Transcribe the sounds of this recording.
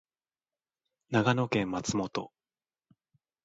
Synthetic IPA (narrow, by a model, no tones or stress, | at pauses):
naɡano̞kẽ̞mːat͡sɨmo̞t̪o̞̰